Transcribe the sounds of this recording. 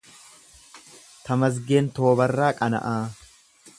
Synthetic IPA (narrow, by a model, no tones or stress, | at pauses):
t̪ɐmɐs̬ɡe̞ːnt̪o̞ːbɐrːaːkʼɐnɐ̰ʔaː